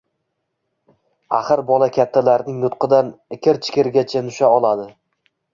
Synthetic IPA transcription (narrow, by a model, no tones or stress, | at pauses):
a̰χɨɾbɒlˠakʲʰat̪ʰːalaɾnɪŋnʊt̪qɨd̪anɪkʲʰɪɾt͡ʃʰɪ̥kʲɪɾɡʲat͡ʃʰanʊʃaɒlˠad̪ɪ